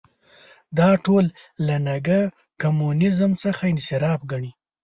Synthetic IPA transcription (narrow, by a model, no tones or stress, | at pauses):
d̪ɑʈolː | anaɡa | kamunɪzmt͡səxaɪnsɪɾɑbɡaɳi